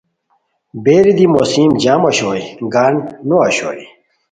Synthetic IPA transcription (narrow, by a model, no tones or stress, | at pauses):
beːɾid̪imosiːmd͡ʑaːmɐɕoːjɡaːnnuɐɕo̰ːi